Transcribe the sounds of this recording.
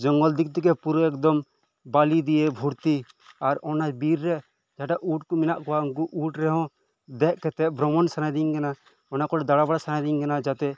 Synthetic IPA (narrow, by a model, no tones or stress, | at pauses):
d͡ʒɔŋɡɔld̪ik̚t̪ikɛpuɾɔɛkd̪ɔm | balid̪iɛbʱuɾt̪i | aɾɔnad͡ʒbiɾːɛ | d͡ʒaʈaʔuʈkɔminaʔkɔauŋk̬uʔuʈɾɛɦɔ̃ | d̪ɛʔkɛt̪ɛʔbɾɔmɔnsanajd̪iŋkɛna | ɔnakɔʈɛd̪aɽabaɽasanajd̪iŋkɛnad͡ʒat̪ɛ